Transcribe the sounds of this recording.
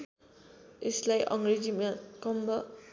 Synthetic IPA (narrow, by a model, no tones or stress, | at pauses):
eslajʔʌŋɾed͡ʒimakʌmbʌ